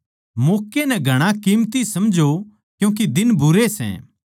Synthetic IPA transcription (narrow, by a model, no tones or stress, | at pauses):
moːkːenɛɡʱɐɽ̃ãkiːmt̪isɐmd͡ʒʱo | kjũːk̬id̪ɪnbʱʊɾesɛ̰̃ː